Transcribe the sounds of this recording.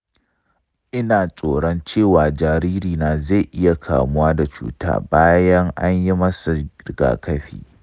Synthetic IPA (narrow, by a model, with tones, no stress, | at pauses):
ʔɪ˦naː˨sʼoː˨ɽɔ˦nt͡ʃeː˦˨waː˨d͡ʒaː˨ɾiː˦ɾiː˨naː˨za˦˨jʔɪ˦ja˨kʰa̰ː˨mʊ˦waː˦da˨t͡ʃṵː˦ta̰ː˦baː˦jɐ˦ŋʔa˦ɲji˦mɐ˦sa˨ɡ̥a̰ː˨kɐ˦ɸḭː˦˨